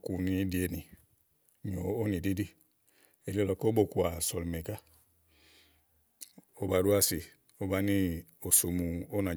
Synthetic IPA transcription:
ku˨ni˦di˨˦e˨ni˨ | ɲo˨o˦nĩ˨di˦di˦ | e˨ɾi˦o˦lɔ˧˦ko˦bo˨ku˨a˨sɔ˨lme˨ɡa˦ | o˦ba˨ɾu˦a˦˨si˨ | o˦ba˦ni˦o˨so˨mu˨o˦na˨

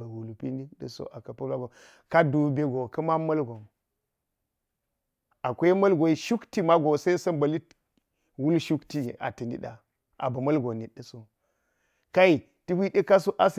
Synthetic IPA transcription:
ɡu˨lu˨pi˦ni˦ɗɐ˦so̰˦ʔa˨kɐ˨pɐ˦la˦ɡo˨ | ka˦du˨be˦ɡo˨kɐ˦ma˦mɐ˦lɡo˨m | a˨kʷe˦mɐ˦lɡo˨i˦ʃu˦kti˦ma˦ɡo˨sa˦i˦sɐ˦mbɐ˨li˦ | wu˦lʃu˦kti˦˨a̰˨tɐ˨ni˦ɗa̰˨ | ʔa̰˨bɐ˨mɐ˦lɡo˨ni˨ɗɐ˨so˦ | ka˦i˨ | ti˦hi˦ɗe˦ka˦so˦ʔa˦s

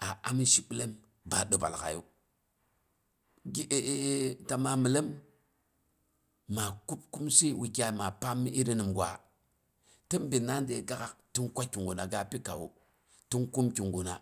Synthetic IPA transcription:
a˨a˦mi˦ʃi˦ɓi˦le˦m | ba˨ɗo˨ba̰˨lka̰˨jṵ˦ | ɡi˦ʔe˨˦ta˨ma˨mi˨le˦m | a˨ku˦pku˦msi˦wi˨kʲa˨ma˨pa˦mːi˦ʔi˦ɾi˦ni˨mɡʷa̰˨ | ti˦mbi˨na˦n˦de˨ɡa˦ka˨kti˦nkʷa˦ki˨ŋɡu˨na˨ɡa˦pi˦ka̰˨wṵ˨ | ti˦nku˦mki˨ŋɡu˨na˨

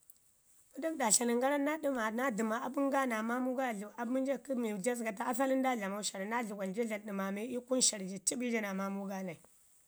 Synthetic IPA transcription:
u˦da˦kda˨ɬa˨ni˨ŋɡa˦ɾa˦nːa˦ɗi˦ma˨na˦di˨ma˨a˨bu˦ŋ˦ɡa˦na˨ma˦mu˦ɡa˦˨ɮu˨a˨bmu˦n˦d͡ʒa˦ki˦mi˨d͡ʒa˦s̬ɡa˨ta˦a˦fa˦li˦n˦da˦ɮa˨ma˦u˦ʃa˨ɾi˨na˦ɮu˨ɡʷa˨n˨d͡ʒi˦a˨ɗi˨ma˨mi˦i˦ku˦nʃa˨ɾi˨d͡ʒi˨ti˦bi˦d͡ʒi˦na˨ma˦mu˦ɡa˦na˨i˨

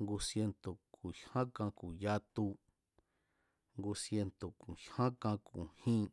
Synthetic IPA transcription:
ŋɡu˧sje˧nt̪o˨kʰu˨hã˦kã˧ku˨ja˧t̪u˧ | ŋɡu˧sje˧nt̪o˨ku˨hã˦kã˧ku˨hĩː˦

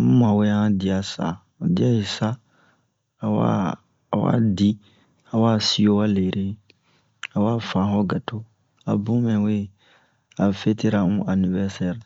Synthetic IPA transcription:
mũ˦ma˨we˦a˦ã˦di˨a˨sa̰˨ | di˦a˦i˨sa˦ | a˨wa̰˦˨ | wa̰˦di˦ | a˨wa˦si˦o˦wa˦le˨ɾʔe˦ | a˨waː˦fã˨˦ɦɔ˦ɡa˨to˦ | a˨bũ˦mɛ̃˨we˦˨ | a˨fe˦ti˦ɾa˨ũ˦a˨ni˨vɛ˦ɾsɛ˦ɾ

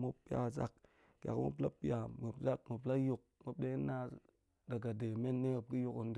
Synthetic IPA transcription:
mu˦pːi˦a̰˨za̰˦k̚ | ka̰˨kmṵ˦p̬la˦pi˦a˨m˨ə˨pza˦k̚mu˨pla˦ju˦˨k̚mu˨˦p̚de˦i˦nːa˦ | da˨ɡa˨de˨me˦nːe˦ə˨p̚ɡi˦ju˦ku˨nd

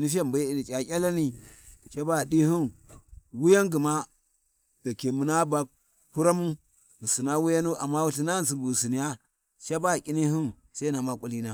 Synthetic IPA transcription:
ni˦fi˦a˦˨mba˨˦i˨ni˨t͡ʃʲʼa˨kʲa˦la˦ni˦ | t͡ʃa˦ba˦˨di˦hu˦nwu˦ja˦ŋɡi˨ma˦ | da˨ke˨mu˨na˦ba˨ | hu˦ɾa˦mu˦ | mu˨si˨na˦wu˦ja˦nu˦ʔa˨mːa˦wu˦ti˦na˦˨n˨si˨bu˨si˨ni˨ja˦ | ʃa˦ba˦˨kʲʼi˦ni˦hu˦n | sa˦i˦na˨ma˦kʷʼu˦li˦na˦

